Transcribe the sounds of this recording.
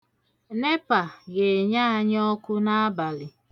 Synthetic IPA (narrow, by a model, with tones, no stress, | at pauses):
ne˦pa˨ɡe˨ɲa˦a˦˨ɲ˦ɔ˦kʊ˦na˦a˦ba˨lɪ˨